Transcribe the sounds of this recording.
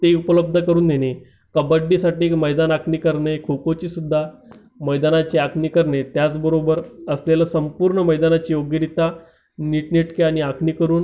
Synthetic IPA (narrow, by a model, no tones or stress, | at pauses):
t̪eupələb̚d̪ʱəkəɾuːnd̪eñe | kəbəɖːisaʈiːekməjd̪anakʰɳiːkəɾɳekʰokot͡ɕiːsud̪ʱːa | məjd̪anat͡ɕiakʰniːkəɾɳet̪jat͡sbəɾobəɾəslelasəmpuːɾɳəməjd̪anat͡ɕiːjoɡiɾit̪a | niʈniʈkeaɽ̃iakʰniːkəɾuːn